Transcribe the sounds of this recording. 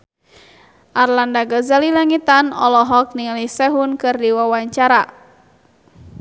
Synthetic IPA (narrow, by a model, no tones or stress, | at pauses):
ʔarlandaɡazalilaŋit̪anɔ̰lɔɦɔk̚niŋalisɛɦunkɨrdiwawaɲt͡ʃaɾa